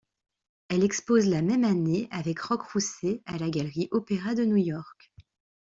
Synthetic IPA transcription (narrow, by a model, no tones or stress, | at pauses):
ɛlɛkspozlamɛmaneavɛkʁɔkχusealaɡalʁiʔɔpeʁad̪ənujɔʁk